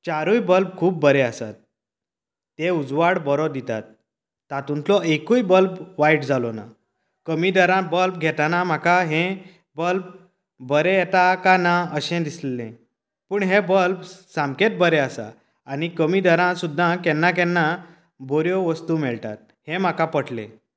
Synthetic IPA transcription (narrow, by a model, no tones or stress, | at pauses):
t͡ɕaɾujbəlp̚kʰuːpːəɾeasa̰t̪̚ː | eud͡zʋaɽbəɾɔd̪it̪a̰t̪̚ː | at̪unt̪lɔekujbəlpʋaiʈd͡zʱalɔna̰ | kəmid̪əɾãbəlp̚ɡʱɛt̪anam̤akʰaɦẽ | bəlp̚ | bəɾeɛt̪akanaəɕɛ̃d̪islḛ̃ | pəːɳɦebəlpsãmket̪̚bəɾeəsa̰ː | nikəmid̪əɾãsud̪ʱːãkɛ̃nːak̬ɛ̃nːa | bʱoɾjɔʋəst̪umɛɭʈ̪a̰t̪̚ | hẽm̤akapəʈʰlḛ̃